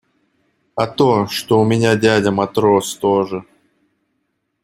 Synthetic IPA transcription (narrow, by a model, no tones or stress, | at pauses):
ɐt̪oʂt̪oʊmʲɪnʲadʲædʲəmɐt̪ɾost̪oʐɨ